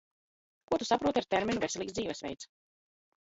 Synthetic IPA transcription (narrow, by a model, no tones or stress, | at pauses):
kuɔt̪usapɾuɔt̪iaɾt̪ɛɾmʲinuvʲesɛlˠiːksziːvɛsvʲɛ̰jt̪s